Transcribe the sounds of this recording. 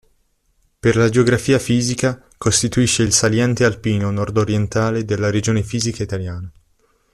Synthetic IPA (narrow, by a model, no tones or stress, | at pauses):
perlad͡ʒeoɡɾafiːafiːzika | kost̪it̪uiʃːeilsaljɛnt̪ealpiːnonɔrd̪oɾjɛnt̪aːled̪elːaɾed͡ʒoːnefiːzikait̪aljaːna